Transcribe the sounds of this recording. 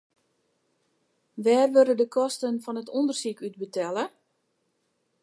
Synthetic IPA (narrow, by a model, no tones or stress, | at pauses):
ʋɛːrʋøɾədəkʰɔstənfɔnətundərsikyt̚bətʰɛlə